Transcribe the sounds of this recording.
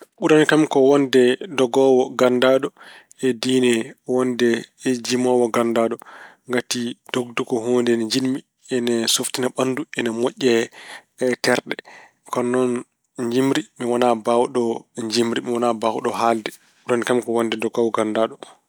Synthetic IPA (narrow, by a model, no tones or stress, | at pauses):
ɓuɾanikamkɔwɔndɛdɔɡɔwɔɡandaɗɔ | ɛdinɛwɔndɛd͡ʒimɔwɔɡandaɗɔŋɡatid̥oɡ̚dukɔɦondɛnɲd͡ʒinmi | ɛnɛsoftinaɓanduɛnamoʔʲːɛ | tɛɾɗɛ | kɔnɔn | ɲd͡ʒimɾimiwanabawɗɔɲd͡ʒimɾimiwanabawuɗɔɦaldɛ | ɓuɾanikamkɔwɔndɛdɔɡɔwɔɡandaɗɔ